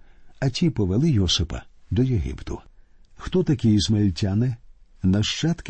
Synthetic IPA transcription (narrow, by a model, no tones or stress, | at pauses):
ɐtʲipɔʋelˠɪjɔsɪpɐ̰d̪ɔjeɦḭpt̪ʊ̰xt̪ɔt̪ɐkʲijizmelʲtʲanɪnɐʃt͡ʃat̪k